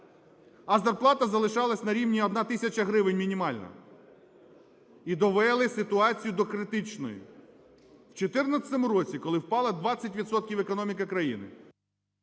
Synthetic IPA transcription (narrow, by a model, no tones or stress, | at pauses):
ɐzɐrplˠɑt̪ɐzɐlˠɪʃɑlˠɐsʲnɐɾʲiwnʲiɔd̪nɑt̪ɪsʲɐt͡ʃɐɦɾɪʋɪnʲmʲinʲimɑlʲnɐ̰ | id̪ɔʋɛlˠɪsɪt̪ʊɑt͡sʲijʊd̪ɔkɾɪt̪ɪt͡ʃnɔ̰jʊ̰ | wt͡ʃɔt̪ɪrnɐsʲt̪ɔmʊɾɔt͡sʲikɔlˠɪwpɑlˠɐd̪ʋɑt͡sʲːɐtʲʋʲid̪sɔt̪̚kʲiwekɔnɔmʲikɐkɾɐjinɪ̰